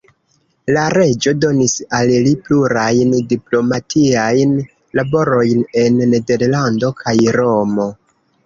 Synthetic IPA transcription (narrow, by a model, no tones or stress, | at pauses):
laɾe̞d͡ʒo̞do̞nisallipluɾajndiplo̞matʰiajn | labo̞ɾo̞jne̞nːe̞de̞ɾlando̞kʰajɾo̞mo̞